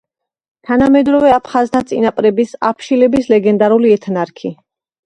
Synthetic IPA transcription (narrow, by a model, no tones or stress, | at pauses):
t̪ʰanamɛd̪ɾɔvɛapʰχazt̪ʰat̪sʼinapʼɾɛbisapʰʃilɛbislɛɡɛnd̪aɾuliɛt̪ʰnaɾkʰi